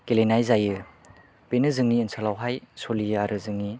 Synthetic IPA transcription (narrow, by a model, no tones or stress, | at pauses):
kelenajzajɯ | b̥enɯzɯŋniːnsʰalawɦajsolijɯaɾʔɯzɯŋni